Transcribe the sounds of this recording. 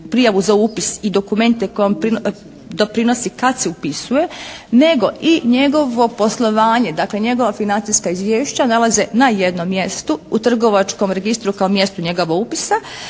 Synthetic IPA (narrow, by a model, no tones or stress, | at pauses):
pɾijaʋuzaupisid̪o̞kume̞nt̪e̞ko̞jompɾi | d̪o̞pɾino̞sikat̪seupisuje̞ne̞ɡo̞ʔiɲe̞ɡo̞ʋo̞po̞slˠo̞ʋaːɲe̞d̪akle̞ɲe̞ɡo̞ʋafinant̪iskaizʋjeːʃt͡ɕanalˠazenajed̪nomːje̞st̪uut̪r̩ɡo̞ʋat͡ʃko̞mɾe̞ɡist̪ɾukaomje̞st̪uɲe̞ɡo̞ʋoɡupisa